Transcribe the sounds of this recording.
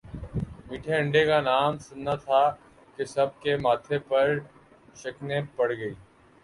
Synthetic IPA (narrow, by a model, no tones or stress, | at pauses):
miːʈʰeə̃ɳɖekanaːmsʊnːat̪ʰa | kesɐb̚kemaːt̪ʰepɐɾ | ʃɐknẽpɐɽɡɐiː